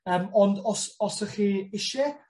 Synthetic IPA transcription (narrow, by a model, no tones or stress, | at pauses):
əːmɔndɔsɔsɛχiɪʃɪ